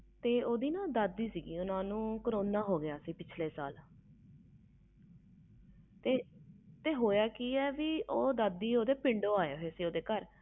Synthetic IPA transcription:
t̪eːoːd̪iːnãːd̪əd̪ːiːsiːɡiːʊnãːnũːkəɾoːnaːɦoːɡɪjaːsiːpɪt͡ʃʰleːsa̰ːl | t̪eːt̪eːɦoːjaːkiːɛːʋiːʔoːd̪əd̪ːiːoːd̪eːpɪɳɖoːaːeːoeːsiːoːd̪eːkəɾ

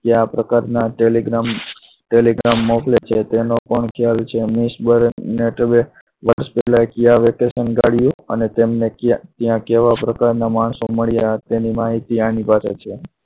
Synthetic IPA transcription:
kjapɾəkaɾnaʈeliɡɾam | ʈeliɡɾamːoklet͡ʃʰet̪enopəɳkʰjalt͡ʃʰemisbəɾneʈəbe | ʋəɾʃpɛlakijaʋekesənɡaɽjũə̰net̪emnekt̪jãkeʋapɾəkaɾnamaɳsoməɭjat̪enimaɦit̪ianipaset͡ʃʰe

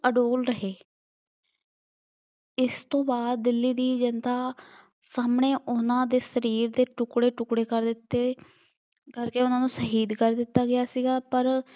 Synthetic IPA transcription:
əɖoːlɾəɦeː | ɪst̪õːbaːd̪̚ːɪlːiːd̪iːd͡ʒənt̪aː | saːmɳeːʔʊnãːd̪eːsəɾiːɾd̪eːʈʊkɽeːʈʊkɽeːkəɾd̪ɪt̪ːeː | kəɾkeːʊnãːnũːsəɦiːd̪kəɾd̪ɪt̪ːaːɡɪjaːsiːɡaːpəɾ

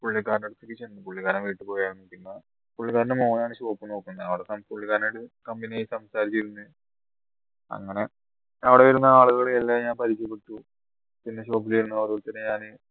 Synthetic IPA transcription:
puɭːikːaːɾneɽut̪ːekːit͡ɕenːɨpuɭːikːaːɾɐmʋiːʈːɨpo̞ːjaːnːɐʈiunːɐ | puɭːikaːɾɐnɨmo̞ːnaːɳɨɕoːpːɨno̞ːkːunːɐɐʋiɽesaːnpuɭːikːaːɾneɽɨkɐmbinijajisɐmsaːɾit͡ɕːiiɾunːɨ | ɐ̰ŋːɐne̞ | ɐʋiɽeʋɐɾunːɐaːɭuɣɐɭelːaːɲaːnpɐɾikʲːɐpːeʈːu | pinːeɕo̞ːp̬ːiliɾunːɐoɾuuɭt̪ːɐnːeɲaːnɨ

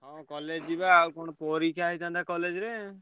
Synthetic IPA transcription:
ɦɔ̃kɔled͡ʒd͡ʒibaːwkɔɽ̃ɔpɔɾikʰaɦit̪ãnt̪akɔled͡ʒɾe

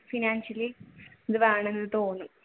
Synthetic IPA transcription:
finaːnɕɐliɐd̪ɨʋeːɳenːɐðɨt̪oːnːu

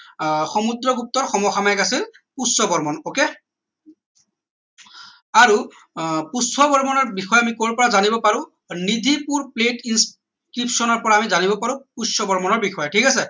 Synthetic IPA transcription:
xomud̪ɹɔɡup̚tɔɹxɔmɔxamajɛkasil | pusːɔbɔɹmɔnoke | aɹu | pusɔbɔɹmɔnɔɹbixɔjɔamikolpɔɹazanibɔpaɹʊ̃ | nid̪ʱipuɹpletins | kɹipsɔnɔɹpɔɹaːmizanibɔpaɹʊ̃pusɔbɔɹmɔnɔɹbixɔjɔtʰikasɛ

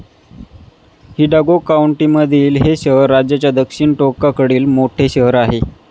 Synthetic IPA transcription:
hiɖaɡokauɳʈiːməd̪ʱiːlɦeɕəɦəɾːad͡ʑjat͡ɕjad̪əkʂiɳʈokakəɽiːlmoʈʰeɕəɦəɾaɦe

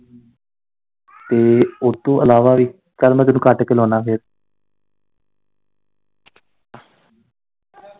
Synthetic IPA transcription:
t̪eːʊt̪õːʔəlaːʋaːʋiː | kəlmɛ̃ːt̪ʊnũːkəʈkeːlɔːnaːpʰɪɾ

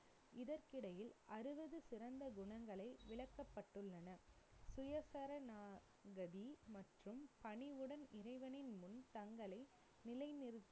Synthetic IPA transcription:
ɪðɐɾkɪɽɐjɪlɐɾɯʋɐðɯsɪɾɐnd̪ɐɡʊɳɐŋɡɐɭɐɪʋɪɭɐkːɐpːɐʈːɯɭːɐnɐ | sʊjɐsɐɾɐnaː | ɡɐðimɐʈrɯmpɐɳiʋɯɽɐnɪrɐɪʋɐnɪnmʊnt̪ɐŋɡɐɭɐɪ | nɪlɐɪnɪɾɯt̪ː

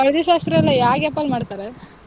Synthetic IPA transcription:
ɐɭɐd̪iʃaːst̪ɾɐɐlːɐjaːɡɐpːɐlmaːɖt̪aːɾe

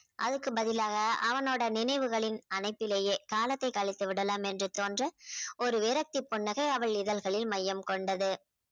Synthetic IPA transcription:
ʔɐðɯkːɯbɐðɪlaːɣɐɐʋɐnoːɽɐnɪnɐɪʋɯɣɐɭɪnɐnɐɪpːɪleːjeːkaːlɐt̪ːɐɪkɐɭɪt̪ːɯʋɪɽɐlaːmɛndrɯt̪oːndrɐɔɾɯʋɪɾɐk̚t̪ipːɔɳːɐɣɐɪɐʋɐɭɪðɐlɣɐɭɪlmɐjːɐmkɔɳɖɐðɯ

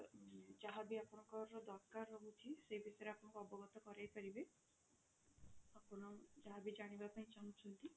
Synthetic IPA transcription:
d͡ʒaɦabiapɔɽ̃ɔ̃ŋkɔɾɔd̪ɔɾkaɾɔɦut̪ʰisejbisɔɾeapɔɽ̃ɔ̃ŋkɔɔbɔɡɔt̪ɔkɔɾajpaɾibe | apɔɽ̃ɔd͡ʒaɦabid͡ʒaɽ̃ibapaĩt͡ʃaŋt͡ʃʰɔnt̪i

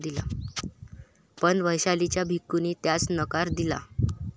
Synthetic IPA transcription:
d̪ila̰ | pəɳʋəjɕalit͡ɕjabʱikːuniːt̪jat͡snəkaɾd̪ila̰

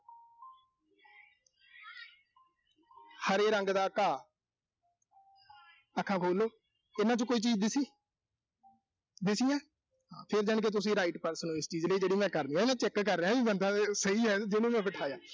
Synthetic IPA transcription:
həɾeːɾəŋɡd̪aːkʰːãː | əkʰːãːkʰoːloː | ɪnãːt͡ʃõkoːiːt͡ʃiːzd̪ɪsiː | d̪ɪsiːãː | ɦã̰ːpʰɪɾd͡ʒaɳk̬et̪̬ʊs̬ĩːɾaːɪʈpəɾsnũːɪst͡ʃiːzləiːd͡ʒeːɽiːmɛ̃ːkəɾnĩːɛːɪnãːt͡ʃɛkːkəɾːeãːʋiːbənd̪aːsəiːɦɛːd͡ʒɪnũːmɛ̃ːpəʈʰaːjãː

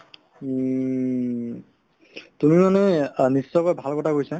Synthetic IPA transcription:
tumimanɛnisːɔkɔjbʱalkɔtʰakojsa

